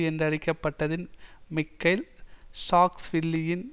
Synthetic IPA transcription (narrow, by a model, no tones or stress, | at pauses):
ɛndrɐɽɪkːɐpːɐʈːɐðɪnmɪkːɐɪlsaːksʋɪɭːɪjɪn